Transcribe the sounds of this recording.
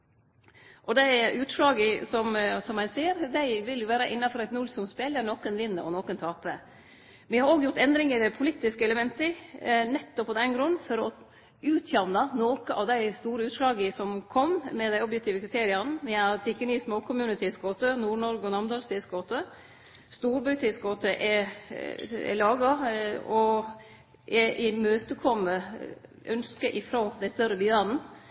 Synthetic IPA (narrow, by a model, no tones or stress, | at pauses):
ʔɔd̪ɛʔʉːt̪ʂɭɑːɡəsɔmsɔmːæɪseːɾd̪æɪʋɪljʊʋæːɾɑʔɪnːɑfɔɾɛt̪nʊlsɔmspeːləɳɔːkənʋɪnːəɔnoːkənt̪ʰɑːpə | ʋɪhɑɾoːɡjʊʈt̪ɛnd̪ɾɪŋəd̪ɛpʰʊlɪt̪ːɪskəɛləmɛnt̪ənɛt̪ːɔpːɔd̪ɛnɡɾʉnːfɔɾɔ | ʉːt̪ʰjɑʋnɑnoːkəʔɑʋd̪æɪst̪uːɾəʉːt̪ʂlɑːɡəsɔmkʰɔmːɛd̪æɪɔbjɛk̚t̪ɪːʋəkɾɪt̪ʰeːɾɪɑnəʋɪɑɾt̪ʰɪkːənismoːkʰʊmʉːnɪt̪ʰɪsɡoːt̪ənuːɳɔɾɡɔnɑmd̪ɑlst̪ɪːsɡoːt̪ə | st̪uːɾbɑt̪ʰɪskɡoːt̪əʔɛ | ɛ̰lɑːɡɑɔ | ʔɛʔɪmøːt̪əkʰɔmːə | œnskəʔɪfɾoːd̪æɪst̪œɾəbɪːæd̪n̩